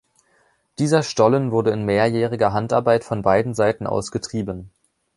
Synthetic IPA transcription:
d̥iːzɐʃtɔlənvʊɐdəɪnmeːɐjɛːʁ̞ɪɡɐɦantaɐbaɪtfɔnbaɪdn̩zaɪtn̩ʔa̰ʊsɡ̥ətʁ̥iːbən

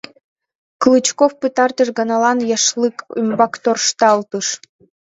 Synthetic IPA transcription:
klˠɨt͡ɕkofpɨt̪ɑrt̪əʃɡɑnɑlˠɑnjɑʃlɨkymbɑkt̪orʃt̪ɑlt̪ɯʃ

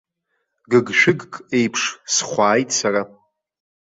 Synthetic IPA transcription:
ɡɨɡʃᶣɪɡkʼe̞jpʰʂsχʷaːjtʼsara

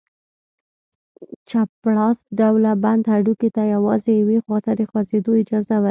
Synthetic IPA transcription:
t͡ʃapɽɑsɖawlaband̪haɖuket̪ajawɑzejawexwɑt̪ad̪əxwazed̪oɪd͡ʒɑzawa

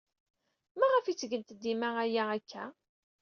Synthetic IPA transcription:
mæʁəfit͡sːɡənt̪əd̪ːimææjæækʰːæ

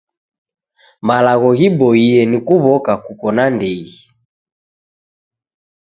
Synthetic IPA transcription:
malaɣɔɣibɔiɛnikuβɔkakukɔnandɛɣi

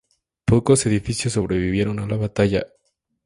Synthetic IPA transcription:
po̞ko̞se̞ðifisjos̬ːo̞βɾe̞βiβje̞ɾo̞nalaβat̪aʝa

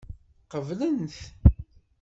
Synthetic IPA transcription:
qəvlənθ

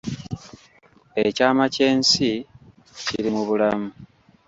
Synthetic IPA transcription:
ecaːmace̞ːnsi | ciɾimuβulamu

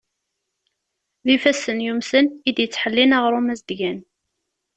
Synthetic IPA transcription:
ðifæsənjumsənid̪jət͡sːħəlːinaʁɾˤumæzd̪ʝæn

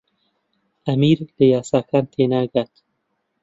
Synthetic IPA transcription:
ɐmiːɾləjɑːsaːkʰaːnt̪ʰeːnaːɡat̪

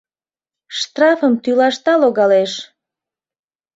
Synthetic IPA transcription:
ʃt̪rɑfəmt̪ylɑʃt̪ɑloɣɑleʃ

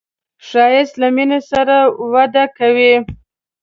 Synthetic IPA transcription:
ʂɑjɪst̪laminesaɾawad̪akawi

